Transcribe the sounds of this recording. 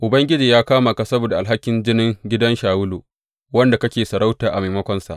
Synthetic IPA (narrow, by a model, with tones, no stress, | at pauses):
ʔʊ˨bɐ˦ŋɡʲɪ˦d͡ʒiː˨jaː˦kaː˦ma˨ka˨sɐ˦boː˨da˨ʔa˨lɦa˦kʲːɪ˨nd͡ʒɪ˦nɪ˦ŋɡʲɪ˦dɐ˦nʃaː˨wʊ˦loː˨ | wɐ˦nda˨kɐ˦kʲeː˨sɐ˨ɾa˦wtaː˨ʔa̰˨maː˨mɐ˦kʷɔ˦nsa̰˨ʔ